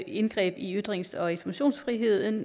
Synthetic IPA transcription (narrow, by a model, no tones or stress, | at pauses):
e̝nɡ̥ʁɛ̰ːb̥iyd̥ʁeŋsɒ̽e̝nfɒmæɕo̝̰ːnsfʁiɦe̝ð̞̰ˠn̩